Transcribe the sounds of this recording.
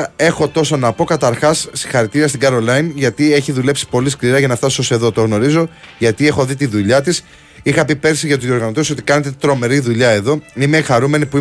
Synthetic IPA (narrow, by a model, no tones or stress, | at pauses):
e̞xo̞t̪o̞sonɐpo̞kɐt̪ɐɾxɐssi̥xɐɾit̪iɾiɐst̪iɡɐɾo̞lɐinʝɐt̪ie̞çiðule̞psi̥po̞liskliɾɐʝɐnɐft̪ɐsose̞ðo̞t̪o̞ɣno̞ɾizo̞ʝɐt̪ie̞xo̞ðit̪iðuʎɐt̪is | ixɐpipe̞ɾsiʝɐt̪uio̞ɾɣɐno̞t̪eso̞t̪i̥kɐne̞t̪e̞t̪ɾo̞me̞ɾiðuʎɐe̞ðo̞ime̞xɐɾume̞nipui